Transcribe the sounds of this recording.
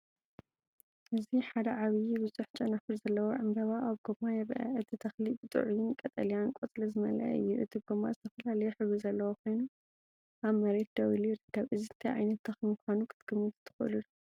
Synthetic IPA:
ʔɨziħad̪ɐʕaβɨjibɨzuħt͡ʃʼɐnafɨɾzɐlːɐwoʕɨmbɐβaʔaβɡ̥omajɛβʔɐ̰ʔɨt̪ʰit̪ʰɐxlibɨt̪ʼɨ̰ʕujɪnkʼɐt̪ʼɐlijankʼot͡s̪ʼlɐzɨmɐlɐ̰ʔɨ̰jːuʔɨt̪ʰɨb̚ɡomːazɨt̪ʰɐfɐlalɐjuħɨβuzɐlːɐwokʰo̞jnu | ʔaβmɐɾe̞t̪̚d̪ɐwiliɾɨd̪̥ɐβʔɨziɨt̪ʰiʕa̰jnɐt̪ːɐxmɨkʰʷanukʰɨt̪ɡ̥ɨmːɨt̪t̪ʰːɨ̥xʔɨ̰lɨlu

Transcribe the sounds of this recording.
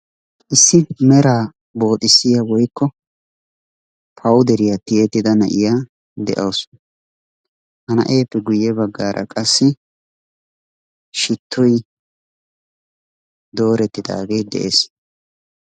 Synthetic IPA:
ʔɪsːɪmɛɾaː | bo̞ːt̪ʼɪsːɪjɐwɔjkːɔ | pʰɐwd̪ɛɾɪjɐt̪ɪjɛt̪ːɪd̪ɐnɐ̰ʔɪjaː | d̪ɛ̰ʔɐwsʊn | hɐnɐ̰ʔeːpːɛɡʊjːɛbɐɡːaːɾʔɐ̰kʼɐsːɪ | ʃɪt̪ːʊj | d̪o̞ːɾɛt̪ːɪd̪a̰ːɡejd̪ɛ̰ʔḛːs

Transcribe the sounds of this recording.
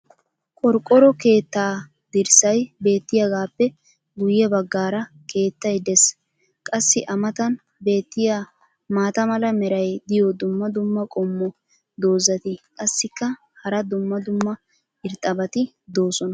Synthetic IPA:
kʼɔɾkʼːɔɾɔke̞ːt̪ːaː | d̪̥ɪɾsɐjbe̞ːt̪ːɪjɐɡaːpːɛ | ɡʊjɛbɐɡːaːɾɐ | kʰe̞ːt̪ːɐjd̪ɛs | kʼɐsːɪʔɐmɐt̪ɐn | be̞ːt̪ːɪja | maːt̪ɐmɐlɐmɛɾɐjd̪ɪjɔd̪ʊmːɐd̪ʊmːɐkʼɔmːɔ | d̪o̞ːzɐt̪ɪkʼɐsːɪkːɐ | hɐɾɐd̪ʊmːɐd̪ʊmːɐ | ɪɾt̪ʼɐbɐt̪ɪ | d̪oːsɔnɐ

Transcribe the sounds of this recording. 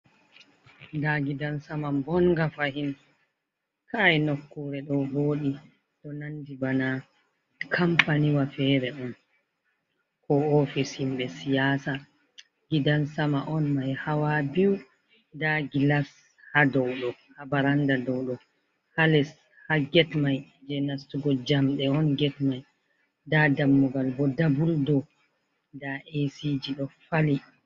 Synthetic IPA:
daɡidansamambɔŋɡafahim | kʰaɛnokːuɾɛɗɔhoːɗi | ɗɔnandibana | kʰampaniwafɛːɾɛɗɔm | kɔɔfishimɓɛsijaːsa | ɡidansamaʔɔnmajhawabiw | daɡilas | hadɔwɗɔhabaɾandadɔwɗɔ | halɛs | haɡɛtmajd͡ʒɛnastuɡɔd͡ʒamɗɛɔnɡɛtmaj | dadamːɔɡalbɔdabuldɔ | daʔesid͡ʒiɗɔfali

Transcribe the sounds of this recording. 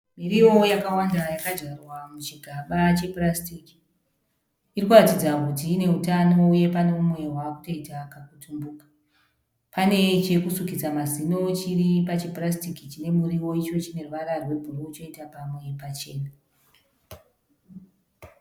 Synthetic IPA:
miɾiwo̞jakawandajakad͡ʒarwamut͡ʃiɡʱaɓat͡ʃe̞prastiki̥ | irikuratid͡zakutiːne̞utano̞uje̞pane̞umwe̞ɦwakuto̞itakakutʰumbuːkḁ | pane̞t͡ʃe̞kusukid͡zamazino̞t͡ʃiripat͡ʃiprastikit͡ʃine̞muɾiwo̞it͡ʃo̞t͡ʃine̞ruʋaɾarwe̞bʱurout͡ʃo̞itapamwe̞pat͡ʃe̞ːna

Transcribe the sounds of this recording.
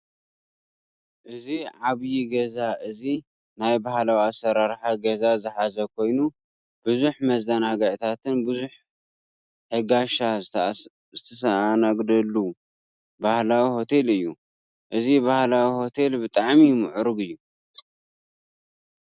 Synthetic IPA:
ʔɨziʕaβjiɡɐzaʔɨzi | najbahlawiasːɐɾaɾħaɡɐzazɨħazɐkʰo̞jnu | b̥ɨzuħmɐzd̪ɐnaɡɐʕt̪ʰat̪ʰɨnbɨzuħ | ħɨɡaʃa | zɨt̪ʰɐsɐanaɡd̪ɐlːu | bahlawiho̞t̪ʰe̞lɨjːu | ʔɨzibahlawiho̞t̪ʰe̞lbɨt̪ʼaʕmimɨʕʊɾɨɡɨjːu

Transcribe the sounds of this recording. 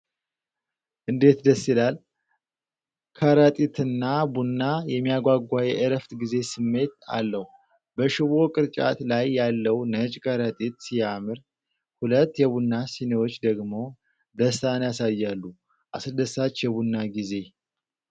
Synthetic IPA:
ʔɨnd̪e̞t̪d̪əsːilal | kʰəɾət̪ʼit̪ʰɨnːabunːajɛmːijaɡʷaɡʷajɛʔəɾəft̪ɡize̞sɨmːe̞t̪a̰lːəhu | bəʃɪβo̞kʼɨɾt͡ʃʼa̰t̪lajːalːəwnət͡ʃʼkʰʼəɾət̪ʼit̪sijamɨɾ | hulət̪ːjɛβunːasinewo̞t͡ʃːd̪əɡmo̞ | d̪əsanjasajːalːu | ʔa̰sɨɾd̪əsːat͡ʃːjɛβunːaɡize̞

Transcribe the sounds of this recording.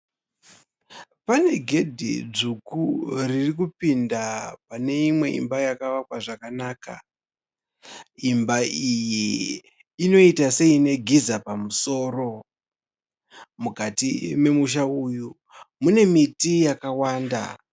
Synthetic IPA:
pane̞ɡʱe̞dʱḭd͡ʐukuririk̬upindapane̞imwe̞ḭmbajakaʋakwaʐakanaːka̰ | imbaijiː | no̞itase̞ine̞ɡʱizapamuso̞ːɾo̞ | mukatime̞muʃ̬auju | mune̞mitijakawaːnda̰

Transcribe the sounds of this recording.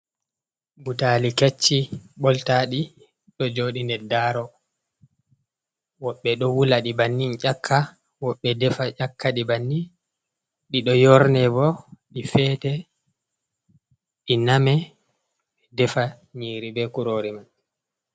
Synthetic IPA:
butaliket͡ʃːiɓɔltaːɗi | ɗɔd͡ʒoːɗindɛdaːɾɔ | wɔɓːɛɗɔwulaɗibanːint͡ʃakʰːa | wɔɓːɛdɛfat͡ʃakːaɗibanːin | ɗiɗɔjɔɾnɛbɔɗifɛːtɛ | ɗinamɛ | ɓɛdɛfa | ɲiːɾibɛkuɾoːɾiman

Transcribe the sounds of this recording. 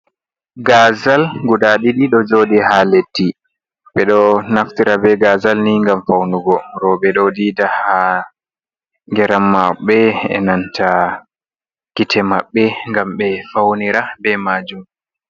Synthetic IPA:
ɡazalɡudaɗiɗiɗɔd͡ʒoːɗihaletːi | ɓɛɗɔnaftiɾabɛɡazalniŋɡamfawnuɡɔɾɔbɛɗɔdidaha | ŋɡɛɾamːaɓɛɛ̰nantʰa | kitʰɛmaɓːɛŋɡamɓɛfawniɾabɛmaːd͡ʒum

